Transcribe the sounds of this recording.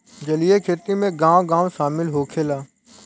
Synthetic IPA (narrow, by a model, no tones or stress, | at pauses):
d͡ʒəlijekʰeːt̪imẽɡãːʋɡãːʋʃaːmɪlɦoːkʰeːlaː